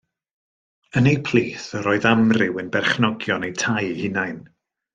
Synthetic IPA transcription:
ənejpʰl̥ˠiːθəɾɔɨðamrɪwənbɛrχnɔɡjɔnejtʰajhɪnajn

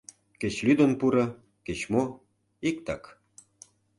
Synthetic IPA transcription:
ket͡ɕlyd̪ənpuɾɤ̆ | ket͡ɕmo | ik̚t̪ɑk

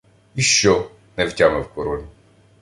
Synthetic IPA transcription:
iʃt͡ʃɔ | nɛwtʲamɛwkɔɾɔlʲi

